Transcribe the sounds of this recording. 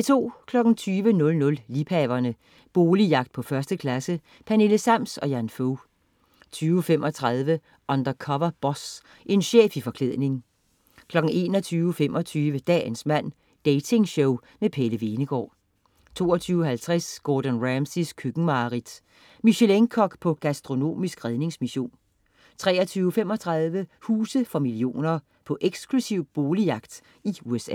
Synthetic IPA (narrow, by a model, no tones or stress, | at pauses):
et͡sʰo̝̰ːkʰlɒ̽ɡ̥n̩t͡sʰyːʋənɔ̽lnɔ̽llipʰɛʋɐnə | b̥o̝ːlijɑ̈ɡ̥d̥̚pʰɒ̽fɶɐsd̥əkʰlæsə | pʰæne̝ləsæm̰sɒ̽jænfoʊ | t͡sʰyːʊfem̰ʔɒ̽t͡sʰʁɑ̈ð̞ˠʋə | ʔɒnd̥ɐkʰɒ̽ʋɐb̥ɒ̽s | ʔe̝nɕḛːfifɒ̽kʰleð̰ˠne̝ŋ | kʰlɒ̽ɡ̥n̩e̝̰ːnɒ̽t͡sʰyːʊəfem̰ɒ̽t͡sʰyːʋəd̥ɛ̰ːnsmæn̰ | d̥ɛɪt͡sʰe̝ŋɕɔʊ | mepʰeləʋe̝ːnəɡ̥ɒ̰ː | t͡sʰo̝̰ːɐt͡sʰyːʊɦælt͡sʰʁasɡ̥ɒːd̥ɔnʁæmsiskʰyɡ̥ŋ̩mɑ̈ːʁid̥ | miɕeleŋkʰɒ̽ɡ̥pʰɒ̽ɡ̥æsd̥ʁo̝no̝̰ːmisɡ̥ʁɛðˠne̝ŋsmiɕo̝̰ːn | t͡sʰʁɛ̰ːɐt͡sʰyːʊəfemɒ̽t͡sʰʁɑ̈ðˠʋəhuːsəfɒ̽milio̝̰ːnɐ | pʰɒ̽ʔeɡ̥sklusiʊ̰b̥o̝ːlijɑ̈ɡ̥d̥ | iuesɛ̰ː